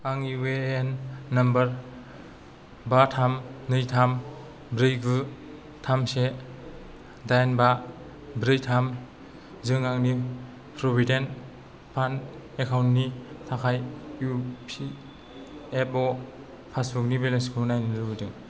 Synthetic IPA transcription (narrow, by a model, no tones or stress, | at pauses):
aŋiweːnːɐmbɐɾ | batʰamnɯjtʰam | bɾɯjɡɯ | tʰamse | dajnba | bɾɯjtʰam | zɯŋaŋni | pʰɾobiden | pʰan | ekʰawntnitʰakʰajupʰi | epɔ | pʰasbuk̚nibelenskʰɯnajnɯɾɯbɯdɯŋ